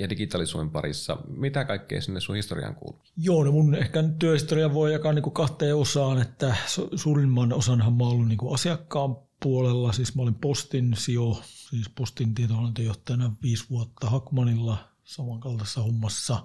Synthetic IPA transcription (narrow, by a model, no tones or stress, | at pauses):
jɑdiɡit̪ɑlisṵempɑ̰rḭsːɑ̰mit̪ækɑikːḛˑisinːessuhist̪orḭɑ̰ːŋkṵːlujoːnemunehkænytt̪yøhist̪oriɑʋʋoijjɑkɑniːŋkukɑht̪eːosɑːnet̪ːæsosuːrimːɑnosɑnhɑmmɑolːinniːŋkuɑsiɑkːɑːmpuolelːɑsiːsmæolimpost̪insiosiːspost̪int̪iet̪ohɑlːɑnt̪yøjoht̪ːˑɑjɑnɑʋʋiːsʋuot̪ːɑhɑkmɑnilːɑ | sɑmɑŋkɑlt̪ɑsːɑhumːɑsːɑ